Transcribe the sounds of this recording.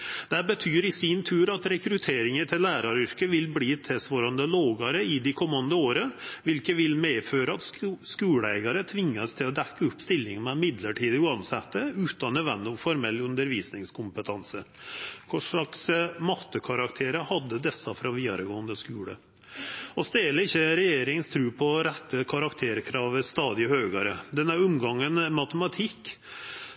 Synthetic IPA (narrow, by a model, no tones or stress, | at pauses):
d̪̥æbət̪ʰyːɾɪsint̪ʰʉːɾɑt̪ɾɛkɾʉt̪ʰeːɾɪŋəʈ̪ʰɪlːæːɾɑɾʏɾkəʋɪlbliːt̪ʰɛsʋoːɾɑnd̪əloːɡɑɾəɪd̪ɪkʰɔmːɑnd̪əoːɾəʋɪlkəʋɪlmeːføːɾəɑt̪skʉːɽəæ̰ɪɡɑɾət̪ʰʋɪŋːəst̪ʰɪlɔd̪ɛkːəʊpːst̪ɪlːɪŋmɛmɪd̪ləʈʰiːd̪əʉɑnsɛt̪ːəʉːt̪ɑnːəʋɛnːɔfɔɾmɛlːʉnd̪əɾʋiːsnɪŋskʰʊmpət̪ʰɑnsəkʰʊʂɭɑksmɑt̪ːəkʰɑɾɑkt̪ʰeːɾəhɑd̪ːəd̪ɛsːɑfɾɑʋiːd̪ɑ̰ɾəɡoːənd̪əskʉːɽə̰ | ɔst̪eːləɪçːəɾɛjeːɾɪŋənst̪ʰɾʉːpʰɔɾɛt̪ʰːəkʰɑɾɑkt̪ʰeːɾkʰɾɑːʋəst̪ɑːd̪ɪhøːɡɑɾəd̪ɛnəɾʉmɡɑŋːənmɑt̪əmɑt̪ʰɪkː